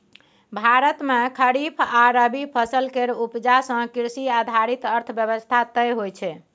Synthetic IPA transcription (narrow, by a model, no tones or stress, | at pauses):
bʱaɾət̪mekʰəɾipʰaɾəbipʰəsəlkeɾupd͡ʒasə̃kiɾsiad̪ʱaɾit̪əɾt̪ʰəbjəβəst̪ʰat̪əjɦojt͡ʃʰɛ